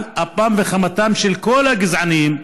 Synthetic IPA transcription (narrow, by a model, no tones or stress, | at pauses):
apamveχamat̪amʃelkolhaɡizʕaniim